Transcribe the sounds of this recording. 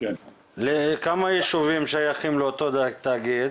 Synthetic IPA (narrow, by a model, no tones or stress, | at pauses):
lekamajiʃuvimʃajaχimleot̪od̪t̪aɡid̪̚